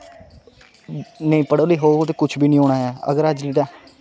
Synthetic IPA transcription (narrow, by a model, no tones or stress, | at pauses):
nəĩːpəɽoːliːɦoːoːt̪eːkʊt͡ʃʰbiːnĩːoːɽaːɦɛːə̰ɡəɾad͡ʒɾiːd̪aː